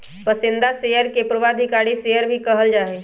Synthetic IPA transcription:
pəsɪ̃nd̪aseːjəɾkepɾəʋaːd̪ʱikaːɽiseːjəɾbʱikɐɦəld͡ʒaːeː

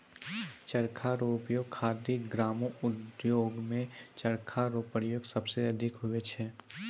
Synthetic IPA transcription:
t͡ʃɐɾkʰaɾoːpjoːɡkʰaːd̪iɡɾaːmõʊd̪joːɡmẽt͡ʃɐɾkʰaɾoːpəɾjoːɡsɐbseɐd̪ʱɪkɦʊet͡ʃʰɛː

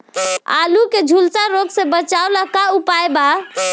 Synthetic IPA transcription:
a̰luked͡ʒʱulsaɾoɡsẽbət͡ʃaolakaupajba

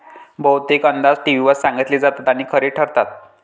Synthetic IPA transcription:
bəwt̪ikənd̪ad͡zʈiʋiʋəɾsãŋɡit̪liːd͡zat̪at̪aɽ̃iːkʰəɾiːʈʰəɾt̪at̪̚

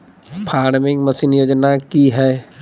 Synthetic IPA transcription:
pʰaːnmɪ̃məsinjoːd͡ʒnakiɦɛː

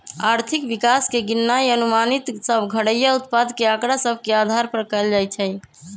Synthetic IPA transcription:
aɾt̪ʰikbikaskeɡinːajənumanit̪səbʱɡʱəɽəjaut̪̚pad̪keakɾasəbʱkead̪ʱaɾpəɾkəld͡ʒajt͡ʃʰɛ

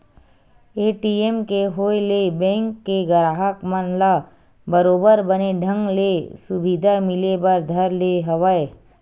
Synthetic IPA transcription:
eːʈiemkeɦoːelebɛ̃ːŋkːeɡəɾaːɦəkmənla | bəɾoːbəɾbəneɖʱə̃ŋɡlesʊbid̪ʱamɪlebəɾd̪ʱəɾleɦɐʋəe

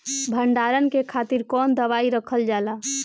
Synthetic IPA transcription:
bʱəɳɖaɾənkekʰat̪iɾkɔnd̪əʋaiɾəkʰəld͡ʒala

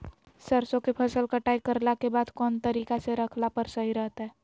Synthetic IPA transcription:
səɾsõkepʰəsəlkəʈaːikəɾlakebaːd̪kɔːnt̪əɾiːkaseɾəkʰlapəɾsəɦiɾəɦt̪aɦɛː

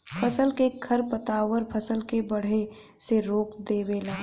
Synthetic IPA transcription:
pʰəsəlkekʰɐɾpət̪aːʋəɾpʰəsəlkebɐɽ̤e | seɾoːkd̪eːbeːlaː

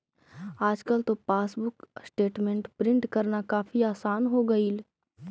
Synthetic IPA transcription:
aːd͡ʒkəlt̪opaːsbʊksʈeːʈmẽɳʈpɾɪ̃ɳʈkɐɾnakaːfiaːsaːnɦoɡɐiːl

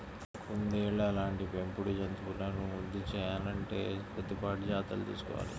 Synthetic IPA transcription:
kond̪eːɭːɐːlaːɳʈipempuɽud͡ʒɐnt̪upunɐnuud̪ːit͡ʃɛːjaːlɐɳʈe̞ːpɐd̪ːipaːʈud͡ʒaːt̪ɐ̰ːlt̪ḭːsu̥kɔ̰ʋa̰ːli

